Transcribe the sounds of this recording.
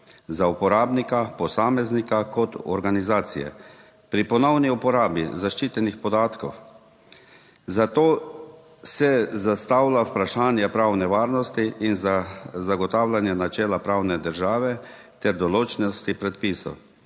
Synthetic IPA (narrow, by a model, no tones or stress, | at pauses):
zaupɔɾaːbnikapɔsaːmɛznikakɔt̪ɔ̰ɾɡanizaːt̪sḭjɛ̰ | pɾipɔnɔwniupɔɾaːbḭzaʃt͡ʃiːt̪ɛnixpɔd̪aːt̪kɔ̰w | zat̪oː | sɛzast̪awlawpɾaʃaːnjɛpɾaːwnɛʋaːɾnɔst̪iʔinzazaɡɔt̪aːwlanjɛnat͡ʃɛːlapɾaːwnɛd̪əɾʒaːʋɛ | t̪ɛɾd̪ɔloːt͡ʃnɔst̪ipɾɛt̪̚piːsɔ̰w